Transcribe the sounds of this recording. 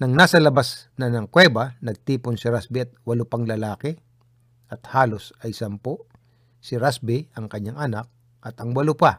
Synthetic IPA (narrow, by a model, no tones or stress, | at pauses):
nɐŋnaːsɐlɐbasnɐnɐŋkwɛːbɐnɐɡ̚t̪iːpʊnsɪɾasbɪɐt̪̚wɐlʊpɐŋlɐlaːkɛ | ʔɐt̪haːlosɐjsɐmpo | sɪɾasbɪʔɐŋkɐɲaŋʔɐnak̚ | ʔɐt̪ɐŋwɐlʊpa